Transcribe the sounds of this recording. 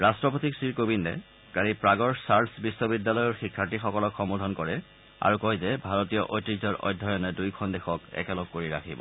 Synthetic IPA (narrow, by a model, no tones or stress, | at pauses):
ɹastɹɔpotiksɹiɹkobindɛ̰ | ɡ̥aɹipɹaɡɔɹsaɹtsbisːɔbidːjalɔjɔɹxikʰːatixɔkɔlɔkxɔmudʱɔnkɔɹɛ | a̰ɹukɔjzɛbʱaɹɔtijɔʔojtizɔɹʔɔ̰jdʱːɔjɔnɛdujkʰɔndɛxɔkɛ̰kɛlɔɡ̚kːoɹiɹa̰kʰibɔ̰